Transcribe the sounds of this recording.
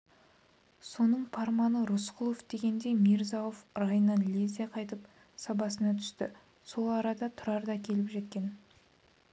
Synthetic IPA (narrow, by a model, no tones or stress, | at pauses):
so̞nəɴpʰɑɾmɑnəɾʊsqʰʊlˠofd̪̥e̞ɡʲe̞nd̪e̞jmʲiɾzɑofrɑjənːɑnlʲezʲijɑqʰɑjt̪əp | sɑbɑsənɑt̪ʰʏ̥st̪ɪ | so̞lˠɑɾɑd̪ɑt̪ʰʊɾɑɾd̪ɑkʲʰe̞lɪpʒe̞t̪̚kʲe̞n